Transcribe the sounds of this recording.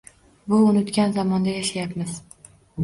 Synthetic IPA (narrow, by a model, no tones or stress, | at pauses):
bʊʊnɪt̪kʲanzɒmɒnd̪ajaʃajapmɪz̥